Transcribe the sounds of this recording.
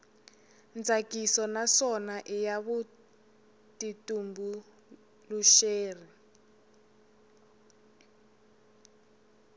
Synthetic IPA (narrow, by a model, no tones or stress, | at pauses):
nd͡zʱakisɔnasɔnaʔijaβu | titumbu | luʃeːri